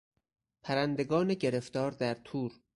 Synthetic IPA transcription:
pʰæɾænd̪e̞ɡɒːneɟeɾe̞ft̪ɒːɾd̪æɾt̪ʰuːɾ

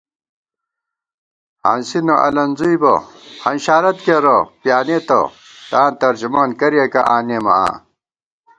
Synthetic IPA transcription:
ha̰ːnsinɐʔɐ̰lɐnzujbɐhɐnɕaːɾɐt̪keɾɐpjaːneːt̪ɐ̰ | t̪aːnt̪ɐɾd͡ʑumaːnkɐɾijekɐʔaːnemɐ̰a̰ː

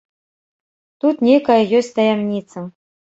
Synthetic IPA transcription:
t̪ut̪nʲejkɐjɐjɔsʲtʲt̪ɐjamnʲit̪sɐ

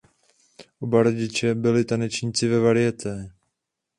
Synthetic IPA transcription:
ʔobaɾoɟɪt͡ʃɛbɪlɪt̪anɛt͡ʃɲit͡sɪvɛvaɾɪjɛc̪ɛ

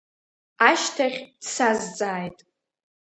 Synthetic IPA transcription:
aʃtʰaχʲd̥sazd͡zʼaːjtʼ

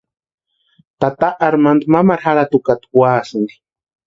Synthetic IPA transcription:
t̪at̪aʔaɾmand̪umamaɾhaɾat̪ukat̪u̥waːsɨnd̪i̥

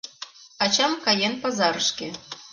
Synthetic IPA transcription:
ɑt͡ɕɑmkɑjenpɑzɑɾɤʃkʲĕ

